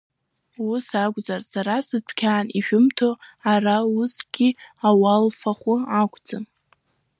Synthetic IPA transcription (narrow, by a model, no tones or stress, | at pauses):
usakʷʼzarsaɾasɨtʷʰkʲʰaːniʃᶣʊmtʰoarausɡ̥ʲiawalfaχʷʊakʷʰʼd͡zɨm